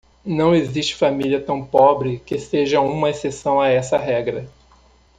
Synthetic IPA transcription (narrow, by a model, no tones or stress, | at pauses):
nɐ̃w̃eziʃt͡ʃɪ̥familiɐt̪ɐ̃w̃pɔbɾɪkɪseʒɐũmɐesesɐ̃w̃aɛsɐɦɛɡɾɐ